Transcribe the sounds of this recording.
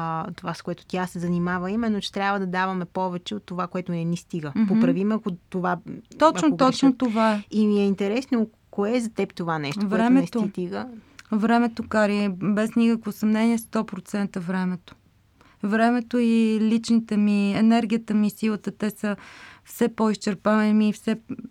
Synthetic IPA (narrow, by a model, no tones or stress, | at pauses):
t̪ovaskoɛt̪ʊ̥t̪ʲjasɛzɐnimavəimɛnːot͡ʃɛ̥t̪ɾʲabvəd̪ɐd̪avɐmɛpɔvɛt͡ʃɛot̪ːovakoɛt̪ʊnɛnist̪iɡəpopɾɐvimɛɐkot̪ovat̪ɔt͡ʃnoɔt͡ʃnot̪ovaɛimiɛint̪ɛɾɛsno | koɛzɐt̪ɛpt̪ovanɛʃt̪ovɾɛmɛɛst̪oit̪iɡəvɾɛmɛt̪okaɾibɛsnikəkvosɐmnɛniɛst̪ɔpɾot̪sɛnt̪əvɾɛmɛt̪o̥ | vɾɛmɛt̪oilit͡ʃnit̪ɛmiɛnɛɾɡ̟ʲijət̪əmisilˠət̪ət̪ɛsəfsɛpoist͡ʃɛɾpavɐmiːfsɛ